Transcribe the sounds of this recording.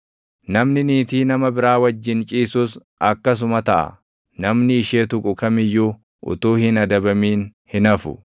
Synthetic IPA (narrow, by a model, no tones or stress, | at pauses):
nɐmnɪniːt̪iːnɐmɐbɪɾaːwɐd͡ʒːɪnt͡ʃʼiːsʊs | ɐkːɐs̬ʊmɐt̪ɐʔɐ̰ | nɐmnɪːʃeːt̪ʊkʼʊkɐmɪjːuː | ʔʊ̰t̪uːhɪnɐd̪ɐbɐmiːnhɪnɐfʊ̰